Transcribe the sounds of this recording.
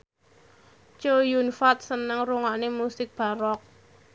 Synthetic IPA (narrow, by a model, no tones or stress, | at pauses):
t͡ʃojunfat̪̚sənəŋruŋanemusɪk̚b̥a̤ɾɔk̚